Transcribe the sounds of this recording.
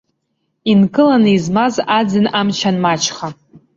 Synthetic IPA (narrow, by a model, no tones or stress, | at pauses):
inkʼɨlanɨizmazad͡zɨnamt͡ʃʰanmat͡ʃʰχa